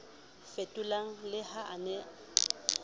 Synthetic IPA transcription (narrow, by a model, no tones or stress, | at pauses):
fetʼʊlaŋ̩lɪhaʔanɛ